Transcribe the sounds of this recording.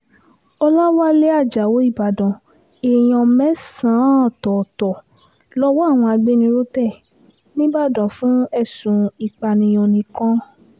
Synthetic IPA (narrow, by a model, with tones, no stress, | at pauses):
ɔ˧la˦wa˦le˦a˦˨d͡ʒa˨wo˨˦i˦˨ba˨dɔ̃˨ | e˨j̃ɔ̃˧mɛ̃˦sã˨˦ɔ˦˨tɔ˨tɔ˨ | lɔ˦wɔ˦a˦˨w̃ɔ̃˧a˧ɡ͡be˦nĩ˧ɾo˦tɛ˦˨ | nĩ˦ba˦˨dɔ̃˨fũ˨˦ɛ˦˨sũ˨i˧˨k͡pa˧nĩ˧jo˧nĩ˧kɔ̃˦